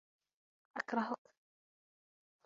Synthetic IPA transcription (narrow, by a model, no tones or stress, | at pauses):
ʔakɾˤɑɦʊk